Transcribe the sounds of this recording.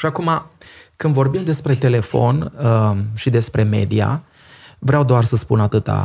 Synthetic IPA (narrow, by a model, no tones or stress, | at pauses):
ʃiakumakɨnd̪vo̞rbimd̪e̞spɾe̞t̪e̞le̞fo̞n | ʃid̪e̞spɾe̞me̞̰d̪ia̰ | vɾeawd̪oarsəspunat̪ɨt̪a̰